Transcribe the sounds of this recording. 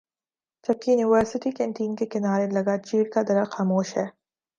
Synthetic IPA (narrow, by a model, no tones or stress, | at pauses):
d͡ʒɐb̚kijʊniʋəɾsɪʈikɛ̃ːɳʈiːnkekɪnaːɾelɐɡat͡ʃiːɾkad̪ɐɾaxaːmoːʃɦɛː